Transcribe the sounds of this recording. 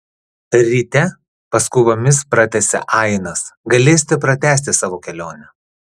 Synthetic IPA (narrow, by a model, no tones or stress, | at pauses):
ɾʲɪt̪ʲɛ | pɐskʊʋomʲɪspɾɐt̪ʲɛsʲɛ̰ʔɐɪnɐsɡɐlʲeːs̬ʲt̪ʲɪpɾɐt̪ʲæːsʲt̪ʲɪsɑːʋoːkʲɛlʲoːnʲɛ